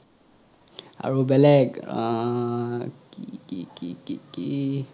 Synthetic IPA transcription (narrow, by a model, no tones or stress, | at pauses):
a̰ɹubɛlɛɡ | kikikikiki